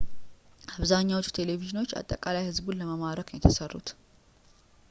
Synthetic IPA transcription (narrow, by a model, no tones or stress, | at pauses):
aβzaɲːawot͡ʃːu̥t̪ʰe̞le̞viʒino̞t͡ʃːa̰t̪ʼːəkʼalajhɨzbunləməmaɾəkmːɛt̪ʰəsərːṵt̪